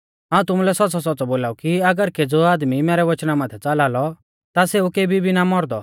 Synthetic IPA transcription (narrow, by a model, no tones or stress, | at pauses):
ɦaːũt̪ʊmulɛsɔtːsɔsɔtːt͡sɔboːlaːukiɐɡəɾked͡zoaːd̪mimɛːɾɛʋɐt͡ʃnamãːt̪ʰɛt͡salaːlɔ | t̪aseukeːbʱibʱinamɔɾd̪ɔ